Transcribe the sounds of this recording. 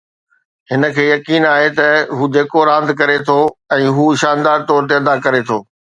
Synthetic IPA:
ɦɪnə̆kʰeːjɐkiːnaːɦet̪ɐɦuːd͡ʑeːkoɾãːnd̪kɐɾet̪ʰoɛ̃ːɦuːɪʃãːnd̪aːɾt̪ɔːɾt̪̬eɐd̪akɐɾet̪ʰo̰ː

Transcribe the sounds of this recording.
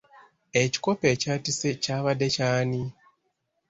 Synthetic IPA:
eci̥ko̞pe̞ːcaːtisecaːβadːe̞caːni

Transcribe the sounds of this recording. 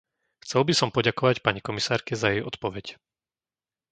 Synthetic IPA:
xt͡sɛlˠbisɔmpɔɟakɔʋacpaɲikɔmisaːɾkɛzajɛjɔt̪pɔʋɛc

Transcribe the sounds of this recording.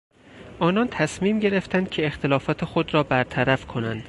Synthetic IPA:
ʔɒːnɒnt̪ʰæsmiːmɟe̞ɾe̞ft̪ænd̪̥̚cʲʰe̞ːxt̪ʰe̞lɒːfɒːt̪ʰexod̪ɾɒːbæɾt̪ʰæɾæfkʰo̞nænd̪̥

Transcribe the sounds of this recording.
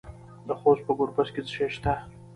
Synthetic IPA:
d̪əxos̚pəɡʊɾbasket͡sʃeʃt̪a

